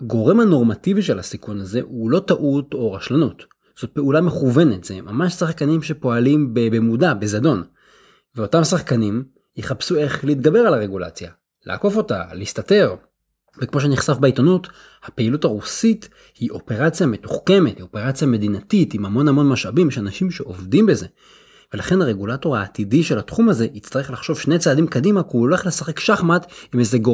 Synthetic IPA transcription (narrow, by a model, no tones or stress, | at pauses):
ɡo̞ʁe̞mhano̞ʁmativiʃelhasikunaze̞hulo̞taʔuto̞ʁaʃlanut | z̥o̞t̚pe̞ulame̞χuve̞ne̞tz̥emamaʃsaχkanimʃe̞po̞alimbebemudabezado̞n | veo̞tamsaχkanim | jeχapsue̞χleiːt̚ɡabe̞ʁalaʁe̞ɡula̰t͡sja | lʔa̰ːko̞fo̞ta̰listate̞ʁ | vekmo̞ʃ̬eniχsafbeitonut | hapeilutaʁusit | hiʔo̞pe̞ʁat͡sjame̞tuχke̞methio̞pe̞ʁat͡sjame̞dinatitimamo̞namo̞nmaʃabimʃeanaʃimʃe̞ʔo̞vdimbe̞ze̞ | ve̞laχe̞naʁe̞ɡulato̞ʁaːtidiʃe̞latχumaze̞ʔit͡staʁeχlaχʃo̞vʃne̞jt͡saːdimkadimakuole̞χle̞saχe̞kʃaχmatimezeɡo